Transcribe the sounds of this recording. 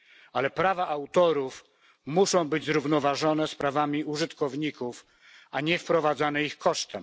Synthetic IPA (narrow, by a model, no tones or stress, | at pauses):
alɛpɾavaʔawt̪ɔɾuf | muʂɔ̃w̃bɘd͡ʑzɾuvnɔvaʐɔnɛspɾavamʲiuʐɘt̪kɔvɲikuf | aɲɛfpɾɔvad̪zanɛixkɔʂt̪ɛm